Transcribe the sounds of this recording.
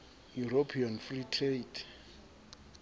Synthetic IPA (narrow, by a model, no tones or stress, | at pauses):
juɾopʰianfritʰretʰ